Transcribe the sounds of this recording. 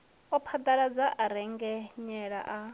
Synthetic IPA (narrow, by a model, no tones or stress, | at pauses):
ɔpʰad̪aɺad͡zaʔaɾɛŋɡɛɲɛɺa̰ʔa